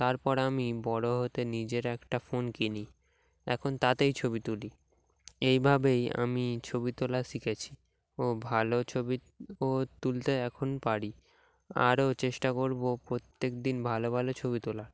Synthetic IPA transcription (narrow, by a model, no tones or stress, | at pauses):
t̪aɾpɔɾamibɔɽoɦot̪enid͡ʑeɾɛkʈafonkini | ɛ̰kʰont̪at̪ejt͡ɕʰobit̪uli | ejbʱabeja̰mit͡ɕʰobit̪olaʃikʰet͡ɕʰi | obʱalot͡ɕʰobi | ot̪ult̪eɛkʰonpaɽi | a̰ɾot͡ɕeʃʈakoɾbopɾot̪ːekd̪inbʱalobʱalot͡ɕʰoβit̪olaɾ